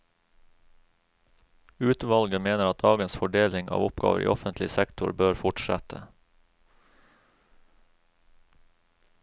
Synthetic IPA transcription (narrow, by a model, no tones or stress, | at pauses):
ʉːt̪ʋɑlɡəmeːnəɾɑt̪̚d̪ɑːɡənsfɔɖeːlɪŋʔɑ̰ːʋʊpɡɑ̰ːʋəɾḭːʔɔfənt̪ʰlɪsɛkt̪ʰʊɾbøːɾfʊʈʃæt̪ʰə